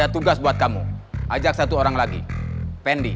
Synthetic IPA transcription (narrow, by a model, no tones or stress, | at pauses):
at̪uɡasbuat̪̚kamṵʔad͡ʒak̚sat̪uoɾaŋlaɡḭpɛndi